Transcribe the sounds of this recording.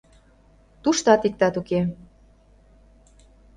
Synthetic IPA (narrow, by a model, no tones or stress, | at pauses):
t̪uʃt̪ɑt̪ik̚t̪ɑt̪uke